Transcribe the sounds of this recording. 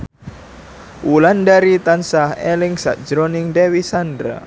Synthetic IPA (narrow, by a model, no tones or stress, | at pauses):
wulandaɾit̪ansahɛlɪŋsa̰ʔd͡ʒɾɔnɪŋdewisandɾa̰